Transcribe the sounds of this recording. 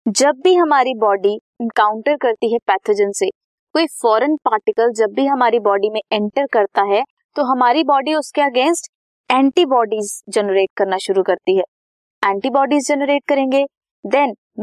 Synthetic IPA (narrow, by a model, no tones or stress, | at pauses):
d͡ʒɐbːiɦɐmaːɾibɔːɖi | ɛ̃nkaːʊ̃ɳʈəɾkɐɾt̪iɦɛpɛːt̪ʰəd͡ʒənse | koːifɔːɾənpaːɾʈɪkəld͡ʒɐbːiɦɐmaːɾibɔːɖimẽɛ̃ɳʈəɾkɐɾt̪aɦɛ | t̪oɦɐmaːɾibɔːɖiʊskeɐɡẽːnsʈ | ɛ̃ːɳʈibɔːɖiːzd͡ʒɛnəɾeːʈ̚kɐɾnaʃʊɾukɐɾt̪iɦɛː | ɛ̃ːɳʈiːbɔːɖizd͡ʒɛnəɾeːʈ̚kɐɾẽːŋɡe | d̪ɛn